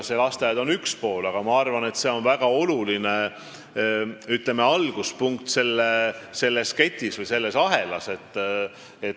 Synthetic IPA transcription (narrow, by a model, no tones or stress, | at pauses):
selɑst̪ejɑd̪o̞nykspo̞ːlɑɡ̥ɑmɑɑrvɑne̞t̪se̞o̞nvæɡ̥ɑo̞luline̞ | yt̪ˑleme̞ɑlɡ̥uspuŋk̚t̪se̞lːese̞lːesket̪ʲːisvɨjse̞lːe̞sɑɦe̞lɑse̞t̪ːˑ | et̪